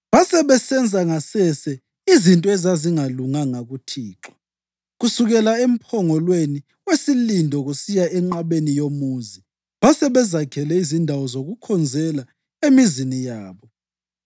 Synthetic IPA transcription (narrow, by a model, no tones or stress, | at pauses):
βasɛβɛsɛnd͡zʱaŋasɛsɛ | izintʼɔɛzaziŋaluŋaŋaɣutʰiːǁɔ̥ | ɣusuɣɛlaem̩pʰɔŋɔlweni | wesilindʱɔɣusijaɛŋ͡ǃaβenijomuːzi | βasɛβɛzakʰɛlɛizindʱawɔzoɣukʰɔnd͡zʱɛla | emizinijaːβɔ